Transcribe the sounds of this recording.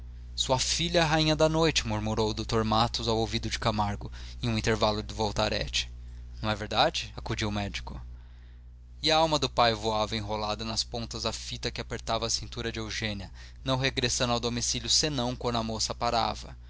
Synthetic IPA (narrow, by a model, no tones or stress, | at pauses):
suɐfiʎɐɛɦaĩɲɐd̪ɐnojt͡ʃɪmuɾmuɾowd̪ot̪oɾmat̪ʊzawowvid̪ʊd͡ʒɪkamaɾɡʊẽj̃ũĩnt̪eɾvalʊd̪ʊvowt̪aɾɛ̰t͡ʃɪ̥ | nɐ̃w̃ɛveɾd̪ad͡ʒɪakud͡ʒiwʊmɛd͡ʒikʊ | ɪɐawmɐd̪ʊpajvoavɐẽɦolad̪ɐnɐspõnt̪ɐzɐfit̪ɐkɪapeɾt̪avɐːsĩnt̪uɾɐd͡ʒewʒẽniɐ | nɐ̃w̃ɦeɡɾesɐ̃nd̪awd̪omisiljʊsenɐ̃w̃kwɐ̃nd̪ʊɐmosɐpaɾa̰vɐ̰